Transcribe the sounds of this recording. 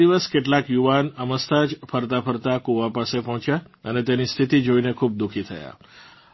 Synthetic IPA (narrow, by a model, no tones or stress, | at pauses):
iʋəskeʈlakjuʋanəməst̪ad͡ʒpʰəɾt̪apʰəɾt̪akuʋapasepɔ̃ɦɔ̃t͡ʃjaənet̪enist̪ʰit̪id͡ʒoinekʰub̚d̪ukʰit̪ʰə̰ja̰